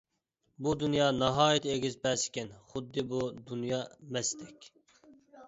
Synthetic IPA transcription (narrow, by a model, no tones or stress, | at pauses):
bud̪unjɑːnɑɦɑːjit̪ʰɪeɡʲizbɛsɪ̥kʲɛnχʊd̪ːɨbud̪unjɑːmɛst̪ʰɛkʲ